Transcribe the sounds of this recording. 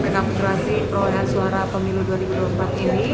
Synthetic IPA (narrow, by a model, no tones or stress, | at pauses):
ənakut̪uasipɾoleɦansuaɾapəmiluduaɾibuduampat̪̚iɾi